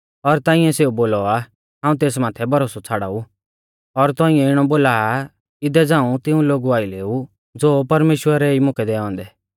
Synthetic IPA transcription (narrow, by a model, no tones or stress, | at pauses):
ɔɾt̪aːɪ̃ɛseːuboːlɔa | ɦãːũt̪eːs̬maːt̪ʰɛbʱɐɾoːsɔt͡sʰaːɽa̰ːu | ɔɾt̪ɔ̃ːɪ̃ɛ̃ɪɽ̃ɔboːla | ɪd̪ɛd͡zãːũt̪ɪũloːɡuaːileːu | d͡zoːpɐɾmeːʃwəɾɛimʊkɛd̪ɛːɔ̃ːnd̪ɛː